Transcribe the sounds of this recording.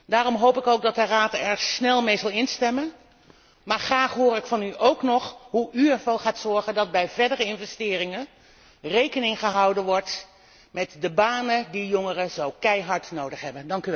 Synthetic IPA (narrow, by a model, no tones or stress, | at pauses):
daːrɔmɦowpɪkowɡ̚dɑtəraːtɛɹsnɛlˠmejzɑlˠɪnstɛmən | maːɹχraːχɦʊːɾɪkfɑnyʔowknɔχɦuʔyɛɹvʊɹχaːtsɔɹχəndɑd̚bɛjvɛɹdərəɪnvɛstɪːrɪŋə | rejkənɪŋχəɦɑwdənʋɔɹt | mɛtdəbaːnədijɔŋərəzowkɛjɦɑɹtnowdəχɦɛbəndɑŋkyʋɛ